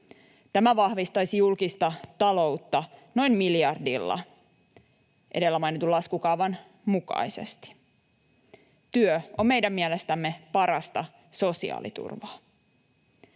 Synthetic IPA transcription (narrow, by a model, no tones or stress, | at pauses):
t̪æmæʋɑhʋist̪ɑjsijulkist̪ɑt̪ɑlo̞wt̪ːɑno̞jmmiljɑrdilːɑ̰ | ʔḛde̞lːæmɑjnit̪ulːɑskukɑuʋɑn | mukɑ̰jse̞̰st̪i̥ | t̪yøo̞mmejdæmːiɛlest̪æmːe̞pɑɾɑst̪ɑ | so̞sḭɑ̰ːlḭt̪ṵrʋɑː